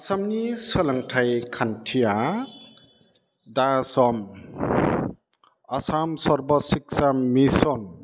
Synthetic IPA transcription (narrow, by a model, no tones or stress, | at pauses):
ɐsʰamnisʌlʌŋʈʰajkʰanʈʰija | d̪asʌm | ʌsʰamsʌɾbʌsiksamisʌn